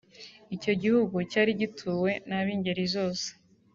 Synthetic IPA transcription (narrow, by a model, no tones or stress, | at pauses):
ico̞ɟihuɡucaːɾiɟitʰuːwe̞naβiːɲɟeɾizo̞ːse̥